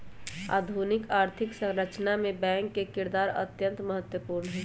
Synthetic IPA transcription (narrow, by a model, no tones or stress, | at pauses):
a̰ːd̪ʱunɪkaːɾt̪ʰɪksə̃ŋɾət͡ʃnamẽbɛ̃ːŋkːekɪɾd̪aːɾə̰t̪jə̃nt̪məɦət̪wəpuːɾnɦɛː